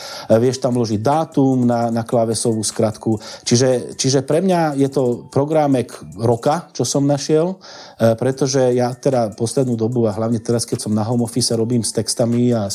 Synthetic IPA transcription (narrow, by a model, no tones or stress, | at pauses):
ʋɪɛʃt̪amlɔʒiɟ̚d̪aːt̪umnanaklaʋɛsɔʋuːskɾat̪kut͡ʃiʒɛt͡ʃiʒɛpɾɛmɲajɛt̪ɔpɾɔɡɾamɛkɾɔkat͡ʃɔsɔmnaʃɪɛl | pɾɛt̪ɔʒɛjat̪ɛd̪apɔslɛd̪nuːd̪ɔbuaɦlaʊɲɛt̪ɛɾaskɛcsɔmnaɦɔmɔfisɛɾɔbiːmst̪ɛkst̪amia